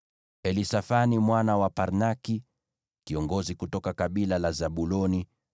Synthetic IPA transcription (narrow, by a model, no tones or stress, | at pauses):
ɛlisafanimwanawapaɾnaki | kiɔŋɡɔzikutɔkakaɓilalazaɓulɔni